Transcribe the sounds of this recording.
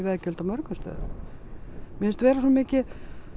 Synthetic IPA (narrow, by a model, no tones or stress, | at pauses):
vɛðcœlt̪amœɾkʏst̪œ̰ːð̰ | mɪnst̪vɛːɾasɔmmɪːcɪ